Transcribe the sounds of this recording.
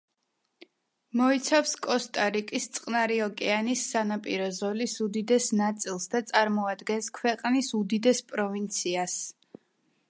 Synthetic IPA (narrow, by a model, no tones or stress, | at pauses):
mɔit̪sʰafskʼɔst̪ʼaɾikʼist̪sʼqʼnaɾiɔkʼɛanisːanapʼiɾɔzɔlisud̪id̪ɛsnat̪sʼilˠsd̪at̪sʼaɾmɔad̪ɡɛnskʰwɛqʼnisud̪id̪ɛspʼɾɔvint̪sʰias